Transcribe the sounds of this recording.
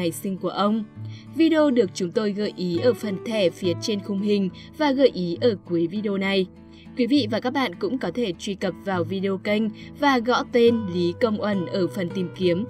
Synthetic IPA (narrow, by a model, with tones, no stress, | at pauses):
a˨˩jsï˧ŋ̟ku˧˩əʔə˧wŋ͡m | vi˧ɗe˧o˧ɗɨ˨˩ək̚t͡ɕʊ˨˦ŋ͡mt̪o˧jɣə̰ː˧˨˩jʔi˨˦ʔəː˧˩fə˨˩nt̪ʰɛ˧˩fi˨˦ət͡ɕe˧nxʊ˧˩ŋ͡mhï˨˩ŋ̟ | vaː˨˩ɣə̰ː˧˨jʔi˨˦ʔəː˧˩ku˨˦əjvi˧ɗe˧o˧na˨˩j | kwi˨˦vḭ˧˨vaː˨˩kaː˦˥k̚ɓa̰ː˧˨nkʊ̰˧˥ŋ͡mkɔ˨˦t̪ʰe˧˩t͡ɕwi˧kə˨˩p̚vaː˨˩wvi˧ɗe˧o˧kə˧jŋ̟vaː˨˩ɣɔ̰˧˥t̪e˧nli˨˦kə˧wŋ͡mʔə˧˩nʔəː˧˩fə˨˩nt̪i˨˩mki˨˦əm